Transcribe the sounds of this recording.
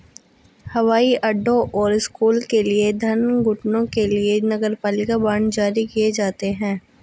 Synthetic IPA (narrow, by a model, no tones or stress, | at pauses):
hɐʋaːiʔɐɖʱːõʔɔːɾɪskuːlkelied̪ʱɐnɡʊʈnõkelienɐɡəɾpaːlɪkabaːɳd͡ʒaːɾikijed͡ʒaːt̪eɦɛ̃ː